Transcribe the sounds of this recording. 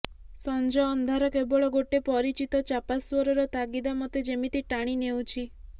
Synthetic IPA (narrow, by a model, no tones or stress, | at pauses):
sɔnd͡ʒɔːnd̪ʱaɾɔkebɔɭɔɡoʈepɔɾit͡ʃit̪ɔt͡ʃapaswɔɾɔɾɔt̪aɡid̪amɔt̪ed͡ʒemit̪iʈaɽ̃inew̃t͡ʃʰi